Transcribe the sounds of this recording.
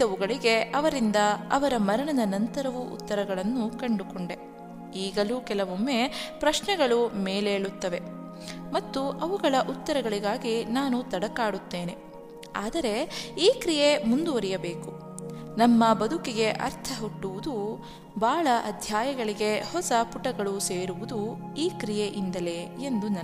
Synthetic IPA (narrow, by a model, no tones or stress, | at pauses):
ɐʋuɡɐɭiɡe̞ʔɐʋɐɾind̪ɐɐʋɐɾɐmɐɾɐɳɐd̪ɐnɐnt̪ɐɾɐʋuʔṵt̪ːɐɾɐɡɐɭɐnːukɐɳɖukoɳɖe̞ | iːɡɐluːkɛlɐʋomːe̞pɾɐʃnɛɡɐɭumeːleːɭut̪ːɐʋe̞ | mɐt̪ːuʔɐʋuɡɐɭɐʔut̪ːɐɾɐɡɐɭiɡaːɡinaːnut̪ɐɽɐkaːɽut̪ːeːne̞ | aːd̪ɐɾe̞iːkɾijemund̪uʋɐɾijɐbeːku | nɐmːɐbɐd̪ʱukiɡe̞ʔɐ̰ɾt̪ʰɐɦuʈːuʋud̪u | bʱaːɭɐʔɐd̪ʱjaːjɐɡɐɭiɡe̞hɔsɐpuʈɐɡɐɭuseːɾuʋud̪u | iːkɾijeʔind̪ɐleːend̪unɐ